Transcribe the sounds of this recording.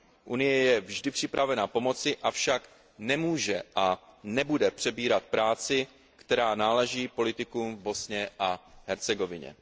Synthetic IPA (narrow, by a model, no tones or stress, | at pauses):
ʔunɪjɛjɛvʒdɪpr̝̥ɪpɾavɛnapo̞mo̞t͡sɪʔafʃak | nɛmuːʒɛʔanɛbudɛpr̝̥ɛbiːɾat̪pɾaːt͡sɪ | kt̪ɛɾaːnaːlɛʒiːpo̞lɪt̪ɪkuːmvbo̞sɲɛʔaɦɛɾt͡sɛɡo̞vɪɲɛ̰